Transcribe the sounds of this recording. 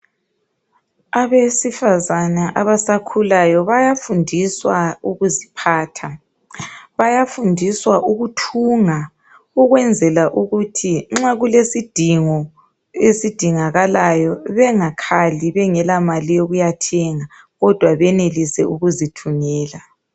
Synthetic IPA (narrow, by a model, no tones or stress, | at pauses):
aβesifazanaʔaβasakʰulajɔβajafundʱiswauɣuzipʰaːtʰa | βajafundʱiswaʔuɣutʰuːŋa | uɣwɛnd͡zʱɛlaʔuɣutʰiŋ͡ǁaɣulesid̥ʱiŋɔ | esid̥ʱiŋaɣalajɔβɛŋakʰaliβɛŋɛlamalijoɣujatʰɛŋa | ɣɔd̥ʱwaβɛnelisɛuɣuzitʰumɛːla